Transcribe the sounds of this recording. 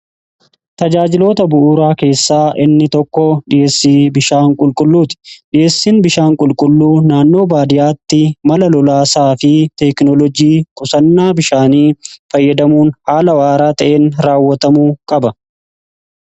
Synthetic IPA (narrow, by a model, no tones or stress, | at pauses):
t̪ɐd͡ʒaːd͡ʒɪlo̞ːt̪ɐbʊʔʊɾaːke̞ːsːaːʔɪnːɪt̪ɔkːɔᶑɪjeːsːiːbɪʃaːŋkʼʊlkʼʊlːuːt̪ɪ̥ᶑɪje̞ːsːiːnbɪʃaːŋkʼʊlkʼʊlːuːnaːnːo̞ːbaːd̪ɪjaːt̪ːɪmɐlɐlɔlaːsaːfɪt̪ɛknɔlɔd͡ʒiːkʼʊsɐnːaːbɪʃaːniːfɐjːɐd̪ɐmuːnhaːlɐwaːɾaːt̪ɐʔeːnɾaːwːɐt̪ɐmuːkʼɐbɐ